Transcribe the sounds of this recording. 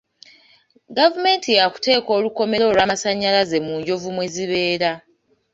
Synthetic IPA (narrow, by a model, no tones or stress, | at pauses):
ɡavume̞ntijaku̥te̞ːko̞ːluko̞me̞lo̞ːlwaːmasaɲalaze̞muːɲɟo̞vumweziβe̞ːɾa